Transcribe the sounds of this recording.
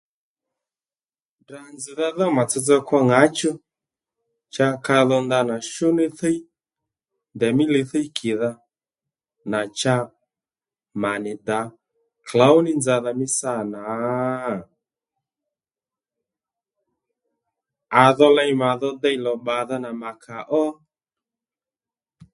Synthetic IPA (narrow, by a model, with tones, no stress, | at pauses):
da˨nd͡zɪ˨ða˧ðɔ˦ma˨t͡sɛ˧t͡sɛ˧kwa˧ŋa˨˦t͡ʃɔ˦ | t͡ʃa˧ka˧ðɔ˧nda˧na˨ʃʊ˦nɪ˦θɛ˦i˦ | nd̪ɛ˨mɪ˦le˨˧θɛ˦i˦kʰɪ˨ða˧ | na˨t͡ʃa˧ | ma˨nɪ˨da˨˦ | kʰla˨˦wnɪ˦nd͡za˨ða˧mɪ˦sa˦˨na˨˦ | a˨ðɔ˧lɛ˧jma˨ðɔ˦dɛ˦jlɔ˨ɓa˨ða˦na˨ma˨kʰa˨ʔɔ˦